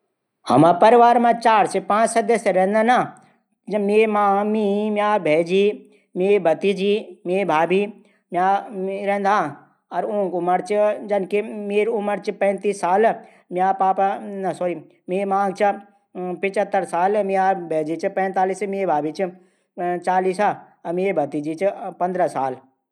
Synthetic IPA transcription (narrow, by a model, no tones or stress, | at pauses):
hɐ̰mãpɐɾɪʋaːɾmãt͡ʃaːɾsepãːt͡ʃsɐd̪əseɾɛ̃ɦnd̪ana | d͡ʒmeːmãːmĩmjaːbʱeːd͡ʒiː | meːbɐt̪id͡ʒiːmeːbʱaːbi | maːɾẽnd̪ʱã | ɐɾõːŋkʊməɾt͡ʃd͡ʒɐnkemeːɾʊməɾt͡ʃpɛ̃ːnt̪iːsːaːl | mjaːpaːpanɐsɔɾi | meːmãːɡt͡ʃʰ | pɪt͡ʃət̪ːəɾsaːlmiaːbʱeːd͡ʒiːt͡ʃpɛ̃ːnt̪aːliːsmeːbʱaːbit͡ʃ | t͡ʃaːliːsa | meːbʱɐt̪id͡ʒiːt͡ʃpɐ̃nd̪ɾəsaːl